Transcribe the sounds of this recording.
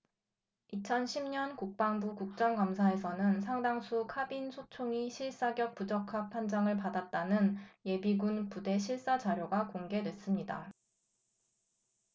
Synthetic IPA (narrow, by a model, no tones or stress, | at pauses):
it͡ɕʰʌnɕʰimɲʌnkuk̚p͈aŋbukuk̚t͡ɕ͈ʌŋkamsʰae̞sʰʌnɯnsʰaŋdaŋsʰukʰabinsʰot͡ɕʰoŋiɕʰiɭs͈aɡjʌk̚pud͡ʑʌkʰak̚pʰand͡ʑaŋɯɭpadat̚t͈anɯnje̞biɡunpude̞ɕʰiɭs͈ad͡ʑaɾjoɡakoŋɡe̞dwe̞s͈ɯmɲida